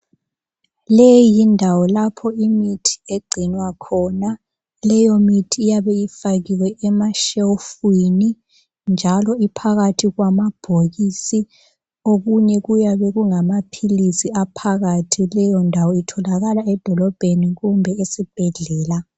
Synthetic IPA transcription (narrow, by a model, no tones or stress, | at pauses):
leijindʱawɔlapʰɔimitʰi̥eɡ͡ǀʱinwakʰɔːna | lɛjomitʰiːjaβɛjifaɣiwɛʔɛmaʃeufwini | nd͡ʒʱalɔipʰaɣatʰiɣwamab̥ʱoɣisi | oɣuɲɛɣujaβɛɣuŋamapʰilisiapʰaɣatʰilɛjɔndʱawɔitʰɔlaɣalaɛd̥ʱɔlɔb̥ʱeniɣumbʱɛesib̥ʱɛɮɛːla